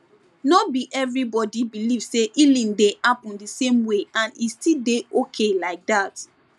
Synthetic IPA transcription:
nɔbiʔɛvɹibɔdibiliv̥seʔilĩndehapɔ̃ndisẽmweãnistildeʔokʰelaɪk̚dat

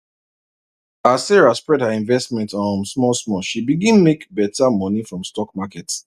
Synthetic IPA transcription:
asɛɹaspɹɛdhəĩnvɛstmɛ̃ntɔnsmɔlsmɔʃibiɡĩnmekbɛtamɔnifɹɔ̃mstɔk̚makɛt

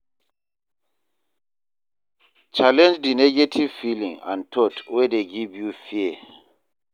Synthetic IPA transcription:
t͡ʃalɛ̃nd͡ʒdinɛɡetʰiv̥filḭ̃ŋã̰ntʰɔtwɛdeɡivjufiɛ

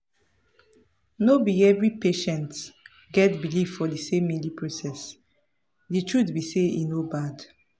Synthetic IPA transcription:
nobiɡɛvɹipeʃɛ̃nt | ɡɛtbiliffɔdisẽmːilipʰɹosɛs | detʰɹudbiseinobad

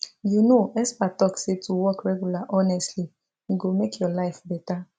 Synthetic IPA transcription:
junoɛspatɔksetuwɔkɾɛɡulaʔɔnɛstli | ɡomekʰjɔlaɪfbɛta

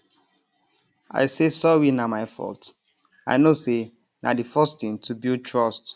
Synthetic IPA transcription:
a̰ɪsesɔɹinamaɪfɔ̰lt | a̰ɪnose | nadifɔstĩntʰubiltʰɹɔst

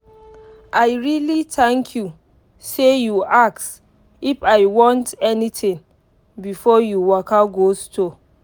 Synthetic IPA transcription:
ʔaɪɹilitʰɛ̃ŋkʰju | sejuaks | ifaɪwɔ̃ntɛnitĩŋ | bifɔjuwɔkaɡosto

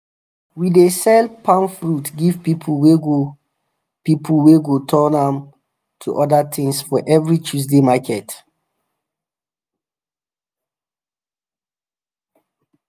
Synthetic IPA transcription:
widesɛlpʰãnfɹutɡivpipʰuweɡo | pipʰulweɡotʰɔnãm | tʰuʔɔdatʰĩŋsfɔʔɛvɹit͡ʃus̬demakɛt

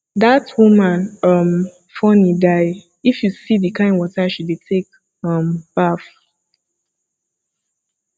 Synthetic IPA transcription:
datʰwumãnʌm | fɔnidaɪ | ifjusidikʰãɪ̃nwɔtaʃudetʰek̚ | ʌ̃mb̥af

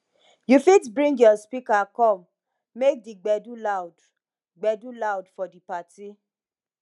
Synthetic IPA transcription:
jufitbɹĩŋɡjɔspikakɔ̃mː | ek̚diɡ͡bɛdulaʊd | ɡ͡bɛdulaʊdfɔdipati

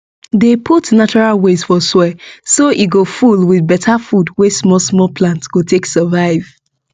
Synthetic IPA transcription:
depʰutnat͡ʃɔɹalwez̥fɔswɛsoʔiɡofulwiðbɛtʰafudwɛsmɔlsmɔlpʰlãntsɡ̥otʰeksəvaɪv̥

